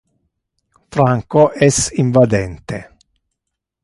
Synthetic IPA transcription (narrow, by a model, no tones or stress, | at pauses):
fɾaŋkoʔɛsiɱvad̪ɛnt̪e